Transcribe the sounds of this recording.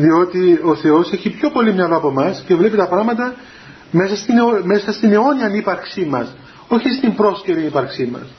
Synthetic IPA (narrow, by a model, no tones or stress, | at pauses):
ðio̞t̪io̞θe̞o̞se̞çipço̞po̞limɲɐloɐpo̞mɐscevle̞pit̪ɐpɾɐɣmɐt̪̬ɐ | mesɐst̪inome̞sɐst̪ineo̞niɐnipɐɾksimɐs | o̞çist̪imbɾo̞sceɾinipɐɾksimɐ̰s